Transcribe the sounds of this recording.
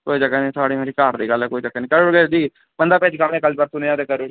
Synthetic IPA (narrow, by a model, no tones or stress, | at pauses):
koːid͡ʒəkːaːnĩːsaːɽiːmeːɾiːkaːɾd̪iːɡəlɛːkoːiːd͡ʒəkːaːniːkəɾʊɽɡeːd͡ʒiː | bənd̪aːpɛːd͡ʒkamẽːkəlbaːɾt̪ʊnĩãt̪eːkəɾuɽ